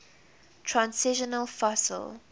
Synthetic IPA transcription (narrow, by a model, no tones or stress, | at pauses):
tʰɹãnsɪʃənəlˠfɔsə̰l